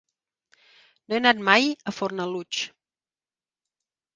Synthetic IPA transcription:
noɛnat̪̚majəfoɾnalut͡ʃ

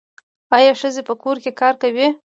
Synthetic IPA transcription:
ɑjɑʂəzepəkoɾkekɑɾkawi

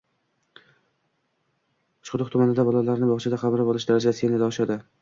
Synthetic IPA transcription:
ʊ̥t͡ʃʊd̪ɨχt̪ʰʊmanɪd̪abɒlˠalaɾnɪbɒχt͡ʃʰad̪aqʰɑmɾɪbɒlˠɪʃd̪aɾad͡ʒaenɪd̪aɒʃad̪ɪ

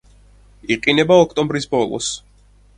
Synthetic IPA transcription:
iqʼinɛbaɔkʰt̪ʼɔ̃mbɾisbɔlˠɔ̰s

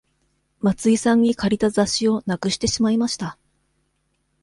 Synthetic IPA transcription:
mat͡sɨisãɲ̟ːikʰaɾʲit̪azaɕio̞nakɯ̟ɕi̥t̪e̞ɕimaimaɕi̥t̪a

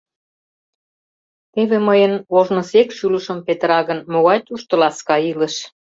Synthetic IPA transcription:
t̪eβeməjənoʒnə̆sekʃylə̆ʃəmpet̪əɾɑɣənmoɣɑjt̪uʃt̪ə̆lɑskɑilə̆ʃ

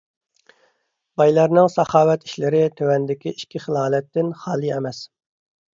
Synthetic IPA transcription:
bɑjlˠɑɾnɪŋsɑχɑːwɛt̪ʰi̥ʃlɪɾɪt̪ʰøwɛnd̪ɪkʲiiʃkʲʰiχəlˠɑːlɛt̪ːɪnχɑːlˠiɛmɛs

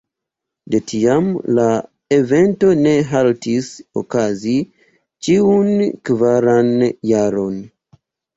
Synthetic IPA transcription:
de̞tʰiamla | e̞ve̞nto̞ne̞ɦaltiso̰kazi | t͡ʃiunkvaɾanjaɾo̞n

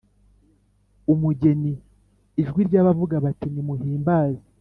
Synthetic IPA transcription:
umuɟe̞niː | ʒɡwiɾɟaːβavuɡaβatinimuɦiːmbaːzi

